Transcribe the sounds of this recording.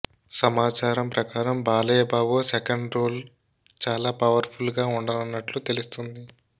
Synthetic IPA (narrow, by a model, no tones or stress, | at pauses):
sɐmaːt͡ʃaːɾɐmpɾɐkaːɾɐmbaːlɐjɐbaːbosekɐɳɖɾoːl | t͡ʃaːlaːpɐʋɐɾpʰulɡaːuɳɖɐnɐnːɐʈlut̪e̞lust̪und̪i